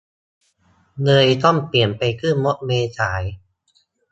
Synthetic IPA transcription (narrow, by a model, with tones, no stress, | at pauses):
nɤː˧jt̪ɔ˥˩ŋpli˨˩ənpa˧jkʰɯː˥˩mo˦˥t̪̚meː˧t͡ɕʰaː˩˦j